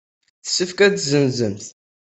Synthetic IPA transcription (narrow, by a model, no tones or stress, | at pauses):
θə̥sːəfkæt͡sːzənzəmθ